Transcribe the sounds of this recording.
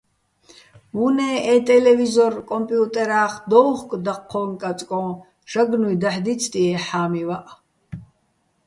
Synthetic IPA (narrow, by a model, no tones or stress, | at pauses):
vunɛːɛt̪ʼɛlɛvizɔrkʼɔmpʼjut̪ʼɛɾaːχd̪ɔwχkʼd̪aqʰːɔːŋkʼat͡sʼkʼɔ̃ː | ʃaɡnujd̪aħd̪it͡sʰt̪ʼiɛħaːmivaʔ